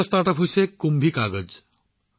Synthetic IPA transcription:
ɔst̪aɾʈəpʰɦojsekumbʱikaɡəd͡ʒ

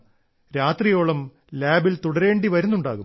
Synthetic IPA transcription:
ɾaːt̪rijo̞ːɭɐm | laːbilt̪uɽɐɾe̞ːɳɖiʋɐɾunːuɳɖa̰ːɣum

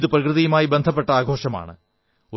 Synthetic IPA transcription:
ðɨprɐkrɨðijumaːjibend̪ʱɐp̬ːe̞ʈːɐaːɡʱo̞ːʂɐma̰ːɳɨ̰ | o

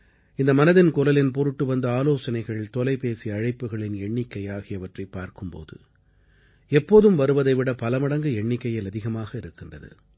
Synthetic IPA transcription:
ɪnd̪ɐmɐnɐðɪnkʊlɐlɪnpɔɾɯʈːɯʋɐnd̪ɐaːloːsɐnɐɪɣɐɭt̪ɔlɐɪpeːsiɐɻɐɪpːɯɣɐɭɪnɛɳːɪkːɐjaːɣɪjɐʋɐʈrɐɪpːaːɾkɯmpo̰ːðɯ̰ | ɛpːoːðɯmʋɐɾɯʋɐðɐɪʋɪɽɐpɐlɐmɐɽɐŋɡɯɛɳːɪkːɐjɪlɐðɪɣɐmaːɣɐɪɾɯkːɪndrɐðɯ̰

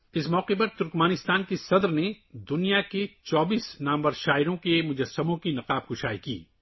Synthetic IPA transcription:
ɪsmɔːqepɐɾt̪ʊɾkməːnɪst̪aːnkesɐd̪ɾne | d̪ʊnijaket͡ʃɔːbiːsnaːmbəɾʃaːɪɾõkemʊd͡ʒɐsːɐmõkinɐqaːb̚ɡʊʃaːikḭː

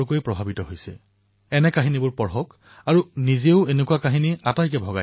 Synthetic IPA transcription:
koipɹɔbʱabitɔɦojsɛ̰ | ɛnɛkaɦinibʊɹpɔɹɦɔk | aɹunizeʊenekuwakaɦiniatajkɛbʱɔɡa

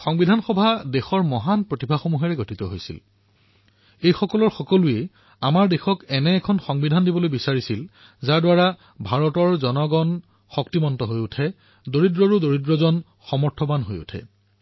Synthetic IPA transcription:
xɔŋbidʱanxɔbʱadexɔɹmɔɦanpɹotibʱaxomuɦɛɹɛɡotʰit̪ɔɦojsḭl | ejxɔkɔlɔɹxɔkɔluɛ | amaɹdexɔkɛnɛːkʰɔnxɔŋbidʱandibɔlojbisaɹisil | zaɹdwaɹa | bʱaɹɔtɔɹzɔnɔɡɔn | xɔktimɔntɔɦojutʰɛ | doɹidɹɔɹudoɹidɹɔzɔn | xɔmɔɹtʰɔbanɦojṵtʰɛ̰

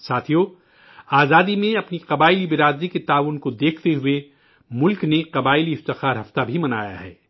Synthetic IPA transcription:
saːt̪ʰijo | aːzaːd̪imẽɐpniqɐbaːɪlibɪɾaːd̪iket̪aːʋʊnkod̪eːkʰt̪eɦʊe | mʊlkneqɐbaːɪliɪft̪ɪxaːɾɦɐft̪abʱimɐna̰ːja̰ɦɛ̰ː

